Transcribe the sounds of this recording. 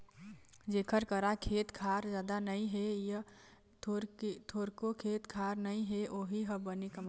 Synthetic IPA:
d͡ʒeːkʰəɾkəɾakʰeːt̪kʰaɾd͡ʒjaːd̪anəĩɦejə | ot̪ʰoːɾkokʰeːt̪kʰaɾnəĩɦeʔoɦiɦəbənikəma

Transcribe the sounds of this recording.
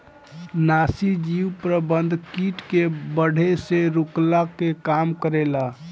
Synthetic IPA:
nasid͡ʒiwpɾəbənd̪ʱkiʈkebəɽ̤ʱeseɾuklakekamkəɾela

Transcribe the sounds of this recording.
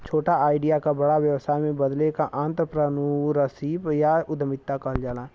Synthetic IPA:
t͡ʃʰoːʈaaːɪɖijakabɐɽaʋjəwsaːjmẽbɐd̪lekaʔãːnt̪ɾəpɾənuɾəsiːbjaʊd̪əmɪt̪ːakəɦld͡ʒaːla

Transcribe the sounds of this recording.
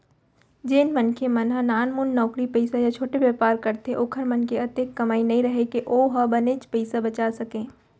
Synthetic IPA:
d͡ʒeːnmɐnkʰemɐnɦãnaːnmʊnːɔːkɾipəɪsajat͡ʃʰoːʈebjaːpaːɾkɐɾt̪eʔoːkʰəɾmɐnkeɐt̪ekːɐmaːinɐɦĩɾɐɦekeʔoːɦɐbɐnet͡ʃpɐɪsabɐt͡ʃaːsɐkẽː

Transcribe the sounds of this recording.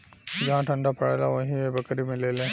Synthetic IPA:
d͡ʒɐɦãʈʰɐ̃ɳɖapɐɽeːlaʋɐɦĩebɐkɾimẽleːlẽː

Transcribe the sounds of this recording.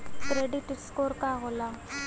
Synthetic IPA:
kɾeɖiʈskoːɾkaɦoːlaː

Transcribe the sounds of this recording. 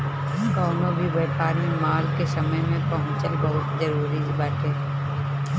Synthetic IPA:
kaːmobʱibɛːpaːɾmẽmaːlkesɐməjmẽpɐɦʊ̃t͡ʃabɐɦʊt̪zɐɾuːɾid͡ʒbaːt̪eː

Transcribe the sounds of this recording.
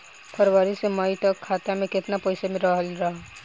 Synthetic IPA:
pʰɐɾʋaːɾisemaːit̪əkʰːaːt̪amẽkɪt̪napɐɪsemɪɾaɦəlɾɐɦa

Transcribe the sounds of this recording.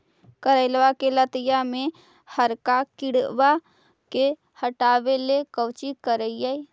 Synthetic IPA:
kəɾəɪlʋakelət̪əjamẽ | həɾkakɪɽba | ke | həʈaːwelekəwt͡ʃikəɾəjai

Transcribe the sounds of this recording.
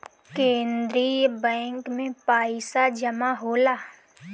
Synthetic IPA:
kẽːnd̪ɾiːjəbɛ̃ːŋkmẽpaːɪsad͡ʒɐmaɦoːlaː

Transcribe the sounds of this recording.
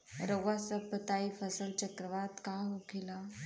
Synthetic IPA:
ɾəɡʋasəpət̪aifəsəlt͡ɕəkɾəʋad̪kaɦokʰela

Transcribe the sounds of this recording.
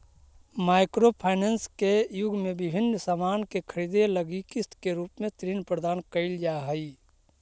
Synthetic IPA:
maːɪkɾopʰaːɪnenskejʊɡʱmẽbɪbʱɪnːsaːmaːnkekʰəɾid̪eləɡikɪst̪keɾuːpmẽt̪ɾiːnpɾəd̪aːnkəɪld͡ʒaɦəi

